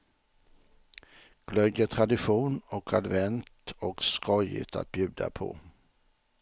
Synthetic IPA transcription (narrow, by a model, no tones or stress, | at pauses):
ɡ̥lœd̪ət̪ʰɾad̪ɪɧuːnɔkʰad̪vɛnt̪ɔkskʰɔjə̰t̪ʰa̰t̪̚bjʉ̟ːd̪a̰pʰɔ̰